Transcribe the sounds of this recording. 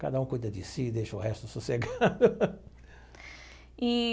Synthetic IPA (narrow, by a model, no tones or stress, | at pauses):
kad̪ɐũkujd̪ɐd͡ʒ̪ɪsid̪ejʃɐʊɦɛst̪ʊsuseɡad̪ʊ | i